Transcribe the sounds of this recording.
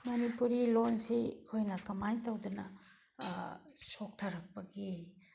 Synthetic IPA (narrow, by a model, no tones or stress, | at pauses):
mɐnipuɾilonsikʰojnɐkɐmajtɐwdunɐ | sok̚tʰaɾɐk̚pɐɡi